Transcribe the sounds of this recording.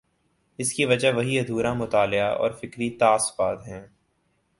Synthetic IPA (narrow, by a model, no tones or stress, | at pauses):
ɪskiʋɐd͡ʒaɦʋɐɦiɐd̪ʱuːɾamʊt̪aːlɪaʔɔ̰ːɾfɪkɾit̪aːsbaːd̪ɦɛ̃ː